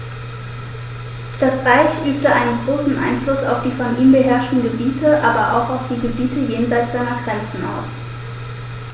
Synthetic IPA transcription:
d̥asʁaɪçʔyːp̚təʔaɪnənɡʁoːsn̩ʔa̰ɪnflʊsa̰ʊfd̥iːfɔniːmbəɦɛɐʃtn̩ɡəbiːtʰəʔaːbɐʔa̰ʊxaʊfd̥iːɡəbiːtʰəjeːnzaɪt͡sz̥aɪnɐɡʁɛnt͡sn̩a̰ʊf

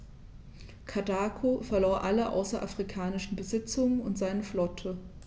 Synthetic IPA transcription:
kʰadaːkʰofɛɐloːɐʔaləʔa̰ʊsɐʔa̰fʁ̥ikʰaːnɪʃn̩bəzɪt͡sʊŋənʊntz̥aɪnəflɔtʰə

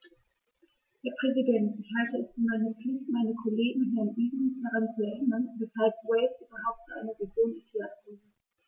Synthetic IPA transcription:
hɛːɐpʁ̥ɛzidɛntɪçhaltəɛsfyːɐmaɪnəp͡flɪçtmaɪnəkʰoleːɡŋ̩ʊnanʔiːɡd̥aʁant͡suɛɐʔɪnɐnvɛshalp̚wɛɪsʔyːbɐɦaʊp̚tt͡suʔa̰ɪnɐʁeɡjoːnɛfaɡiː

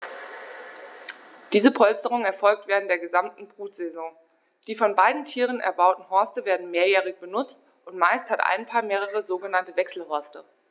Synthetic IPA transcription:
d̥iːzəpʰɔlstəʁ̞ʊŋɛɐfɔlk̚tv̥eːʁ̞əntd̥eːɐɡəzamtn̩bʁuːtz̥ɛzɔ̃ː | d̥iːfɔnbaɪdn̩tʰiːʁ̞ənʔɛ̰ɐbaʊtn̩ɦɔɐstəveːɐdn̩meːɐjɛːʁ̞ɪçb̥ənʊt͡st | ʔʊntmaɪsthatʔa̰ɪnpʰaːɐmeːʁəʁəzoːɡənantəvɛksl̩hɔɐstə

